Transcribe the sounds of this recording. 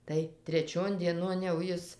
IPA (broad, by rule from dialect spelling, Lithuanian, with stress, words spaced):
tɐɪ tʲrʲɛˈt͡ʃʲoːn dʲiɛˈnoːn jɛʊ ˈjɪs